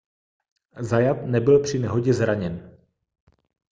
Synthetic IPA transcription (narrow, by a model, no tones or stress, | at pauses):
zajat̪nɛbɪlpr̝̥ɪnɛɦo̞ɟɛzɾaɲɛn